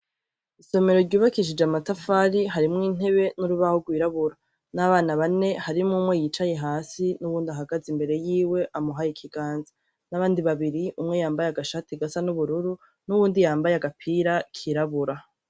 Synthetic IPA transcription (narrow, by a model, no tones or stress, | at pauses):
iso̞me̞ɾo̞ɾɟuːβakiʃ̬id͡ʒamatafaɾiɦaɾimŋiːn̥e̞βe̞nuɾuβahoɡwiːɾaβuɾa | naβaːnaβane̞haɾimŋumŋejit͡ʃaje̞ɦaːsinuβuːndiaɦaɡazimbe̞ɾe̞jiːwe̞ʔamuɦajikʰiɡ̥aːnza | naβaːndiβaβiɾiʔumŋe̞jaːmbajaɡaʃatiɡasanuβuɾuɾu | nuβuːndijaːmbajaɡapʰiːɾakʰiɾaβuɾa